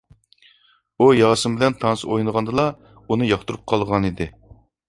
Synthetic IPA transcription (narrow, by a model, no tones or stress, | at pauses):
ujɑːsɨmbɪlɛnt̪ʰɑnɨsojnəʁɑnd̪ɨlˠɑ | unɨjɑχt̪uɾup̚qʰɑlˠʁɑnid̪ɪ